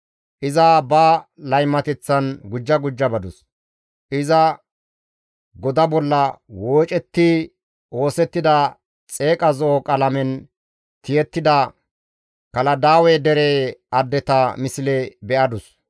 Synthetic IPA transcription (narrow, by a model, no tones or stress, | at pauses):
ʔɪzɐbɐlɐjmːɐt̪ɛt͡sːɐnɡʊd͡ʒːɐɡʊd͡ʒːɐbɐd̪ʊs | ʔɪzɐ | ɡɔd̪ɐbɔlːɐwo̞ːt͡ʃʼɛt̪ːi | o̞ːsɛt̪ːɪd̪ɐ | t͡sʼe̞ːkʼɐzɔokʼɐlɐmɛn | t̪ɪjɛt̪ːɪd̪ɐ | kɐlɐd̪aːwɛd̪ɛɾeʔɐd̪ːɛt̪ɐmɪsɪlɛbɛʔɐd̪ʊs